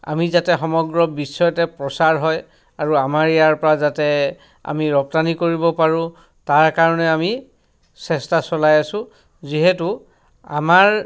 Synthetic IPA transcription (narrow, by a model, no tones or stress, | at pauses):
a̰mizatɛxɔmɔɡɹɔbisɔjɔtɛpɹɔsaɹɦɔj | aɹuamaɹɛjaɹpɔɹazatɛ | a̰miɹɔp̚tanikoɹibɔpaɹʊ̃ | taɹkaɹɔnɛami | sɛstasɔlajasʊ̃ | ziɦetu | a̰maɹ